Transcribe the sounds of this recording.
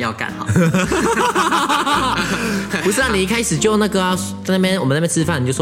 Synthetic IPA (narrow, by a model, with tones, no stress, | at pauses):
jɑ̰˥˨ʊka̰˨˩n̰˨˩ | pu˥ʂɻ̩˥t̪a˥˩˨ni˨˧i˥˧kʰa˥ɪʂɻ̩˨˩t͡ɕjo˥˧ʊna˥˧˩ɡə˩˥ | a˥˧˩pjɛ˥˧nwɔ˨m˨na˥˩pjɛ˥t͡sʰɻ̩˥fa˥˩ni˨t͡ɕo˥˧ʊ˩˥